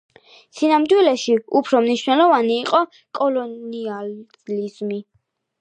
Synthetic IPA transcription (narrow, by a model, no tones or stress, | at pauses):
sinamd̪wilɛʃiupʰɾɔmniʃwnɛlɔvaniːqʼɔ | kʼɔlɔnia | lizmi